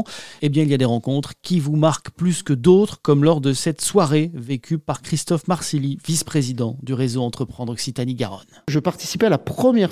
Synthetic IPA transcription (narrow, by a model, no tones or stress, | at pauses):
ebjɛ̃ilijad̪eʁɑ̃kɔ̃t̪χkʲivumaʁkplyskəd̪ot̪χkɔmlɔʁd̪əsɛt̪swaʁevekʰʲypaʁkχist̪ɔfmaʁsilivispχezid̪ɑ̃d̪yʁezoɑ̃t̪χəpχɑ̃d̪ʁɔksit̪aniɡa̰ʁɔ̰nʒəpaʁt̪isipalapχəmjɛ